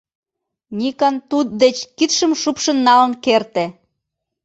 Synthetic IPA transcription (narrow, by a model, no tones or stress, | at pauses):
nʲikɑnt̪ut̪̚d̪et͡ɕkit̪ʃə̆mʃupʃə̆nːɑlənkert̪e